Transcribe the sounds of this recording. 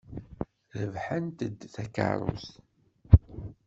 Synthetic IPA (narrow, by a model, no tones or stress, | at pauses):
ðəvħənt̪əd̪θækə̰ɾˤʊ̰θ